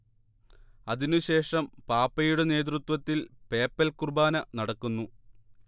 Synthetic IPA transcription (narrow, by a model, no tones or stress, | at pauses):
ɐðinuɕe̞ːʂɐmpaːpːɐjuɽe̞ne̞ːt̪̬rut̪ʋɐt̪ːilpe̞ːpːɐlkurbaːnɐnɐɽɐkːunːu